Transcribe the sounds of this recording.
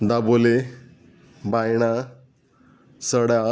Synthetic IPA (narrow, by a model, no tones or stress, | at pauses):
d̪abole | bajɽ̃a | səɽja